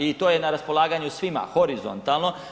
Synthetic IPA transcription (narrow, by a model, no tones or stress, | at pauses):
it̪oːjenaɾaspo̞lˠaːɡaɲusʋima̰xo̞ɾizo̰nt̪alˠno̞